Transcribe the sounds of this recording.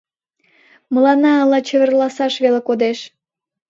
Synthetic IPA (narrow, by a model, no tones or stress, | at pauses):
məlɑnɑːlɑt͡ɕə̆βərlɑsɑʃβelekod̪eʃ